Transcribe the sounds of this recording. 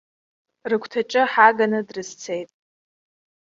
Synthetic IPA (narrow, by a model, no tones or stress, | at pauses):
rɨkʷʰtʰat͡ʃʼɨħaɡanɨdrɨst͡sʰejtʼ